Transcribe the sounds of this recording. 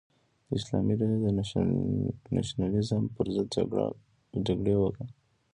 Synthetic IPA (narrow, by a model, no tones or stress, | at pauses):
ɪslɑ̰miɾad̪ə | na̰ʃnalizəmpəɾzəd̪̰ | d͡ʒaɡɽewəka